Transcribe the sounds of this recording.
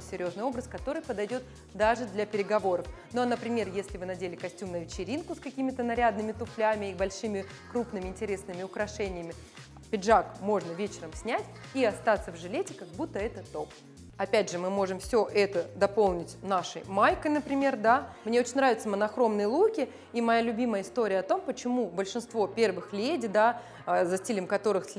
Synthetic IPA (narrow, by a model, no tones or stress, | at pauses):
sʲɪɾʲjo̞znjo̞bɾəskɐt̪o̞ɾɨjpəd̪ɐjdʲo̞t̪ | d̪aʐɨd̪lʲɐpʲɪɾʲɪɡɐvo̞ɾəfnonəpɾʲɪmʲe̞rjesʲlʲɪvɨnɐdʲelʲɪkɐsʲtʲumnəvʲɪt͡ɕɪɾʲinkʊskɐkʲimʲɪt̪ənɐɾʲad̪nɨmʲɪt̪ʊflʲamʲɪːbɐlʲʂɨmʲɪ | kɾupnɨmʲɪɪnʲtʲɪɾʲe̞snɨmʲɪʊkɾɐʂɛnʲɪjəmʲɪ | pʲɪʐakmo̞ʐnəvʲet͡ɕɪɾəmsʲnʲætʲiɐst̪at̪sːəvʐɨlʲetʲɪkɐɡ̚but̪ːəɛt̪ət̪ːop | ɐpʲædʲʐɨmɨmo̞ʐɨmfsʲoʔɛt̪əd̪ɐpo̞lˠnʲɪtʲnaʂə̰jmajkəjnəpɾʲɪmʲe̞rd̪amnʲe̞ot͡ɕɪnʲnɾavʲɪt̪səmənɐxɾo̞mnɨjlˠukʲɪ | imɐjalʲʊbʲiməjəɪst̪o̞ɾʲɪjəɐt̪o̞mpət͡ɕɪmubəlʲʂɨnst̪vo̞pʲe̞rvɨxlʲedʲɪd̪a | zɐsʲtʲilʲɪmkɐt̪o̞ɾɨxsʲ